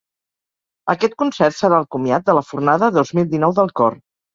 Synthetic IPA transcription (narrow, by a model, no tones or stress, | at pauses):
əkɛt̪̚kunsɛrt̪səɾaːlˠkumjat̪̚d̪ələfurnaðəðozmilˠd̪inɔwðəlˠkɔr